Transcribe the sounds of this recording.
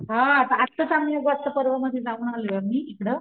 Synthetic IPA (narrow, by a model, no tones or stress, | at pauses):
ɦãat̪ãat̪ːət͡samijoɡat̪t͡səpəɾʋəməd̪ʱjed͡zauɳaleamiːekɽə